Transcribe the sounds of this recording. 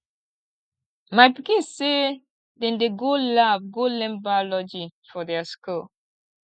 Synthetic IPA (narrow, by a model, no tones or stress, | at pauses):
majpikĩnsse | dɛ̃ndeɡolavɡolɛ̃mbalɔd͡ʒifɔdɛasku